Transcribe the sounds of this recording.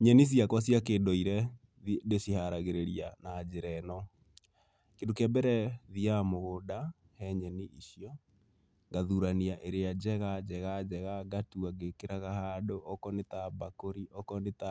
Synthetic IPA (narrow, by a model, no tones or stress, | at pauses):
ɲɛnis̬jakwas̬jakeːndɔiɾɛ | ndesihaɾaɣeɾeɾianad͡ʒeɾɛnɔ | kendokɛbɛɾɛðiamoɣoda | hɛɲɛniʔiɕjɔ | ŋɡaðuɾaniaʔeɾead͡ʒɛɣad͡ʒɛɣad͡ʒɛɣaɡatuaɡekeɾaɣahaːdoʔɔkɔnetabakoɾiʔɔkɔneta